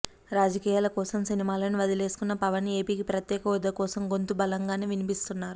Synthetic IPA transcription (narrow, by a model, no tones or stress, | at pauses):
ɾaːd͡ʒɐkiːjaːlɐkɔːsɐmsinimaːlɐniʋɐd̪ile̞ːsu̥kunːɐpɐʋɐnːeːpiːkipɾɐt̪jɛːkɐʋɔd̪ɐkɔːsɐmɡont̪ubɐlɐŋɡaːneːʋinipist̪unːaːɾu